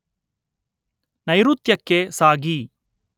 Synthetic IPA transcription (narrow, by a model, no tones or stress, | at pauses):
nɐjɾut̪jɐkːesaːɡi